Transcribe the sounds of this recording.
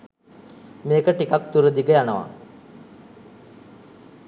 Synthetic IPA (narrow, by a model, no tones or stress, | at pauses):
meːkəʈikakt̪uɾəd̪iɡəjanəʋa̰